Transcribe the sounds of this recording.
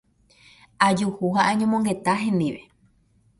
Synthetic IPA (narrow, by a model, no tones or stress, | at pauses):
ad͡ʒuhuhaʔãɲõmõŋɡe̞t̪aɦẽ̞nd̪iʋe̞